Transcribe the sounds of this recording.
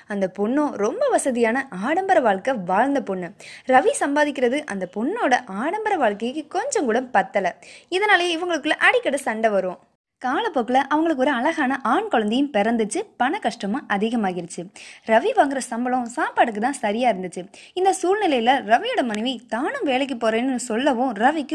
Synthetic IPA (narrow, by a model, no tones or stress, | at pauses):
ɐnd̪ɐpʊɳːõːɾɔmbɐʋɐsɐðɪjaːnɐʔaːɽɐmbɐɾɐʋaːɭkɐʋaːɻnd̪ɐpʊɳːɯɾɐʋisɐmbaːðɪkʲːɪɾɐðɯʔɐ̰nd̪ɐpɔɳːoːɽɐʔaːɽɐmbɐɾɐʋaːɭkɐɪkːɯkɔɲd͡ʒɐ̃ŋkuːɽɐmpɐt̪ːɐlɐɪðɐnaːlɐjõɪʋɐŋɡɐɭɯkːɯlɐʔɐɽɪkːɐɽɐsɐɳɖɐʋɐɾɯʋõː | kaːlɐpːoːkːɯlɐʔɐʋɐŋɡɐɭɯk̬ːɔɾɯɐlɐɣaːnɐʔaːɳkɔɭɐnd̪ɪjɯ̃mpɛɾɐnd̪ɯt͡ʃːɯpɐnɐkɐʂʈɐmɐ̃ʔɐðɪɣɐmaːɣɪɾɯt͡ʃːɯɾɐʋiʋaːŋɡɪɾɐsɐmbɐlɐ̃saːpaːɽɯk̬ːɯt̪ãːsɐɾɪjaːɪɾɯnd̪ɯt͡ʃːɯ | ɪnd̪ɐsuːlnɪlɐjɪlɐɾɐʋɪjɯɽɐmːɐnɛʋit̪aːnɯmʋeːlɛk̬ːɯpːoːɾeːnːɯsɔlːɐʋõːɾɐʋɪkːɯ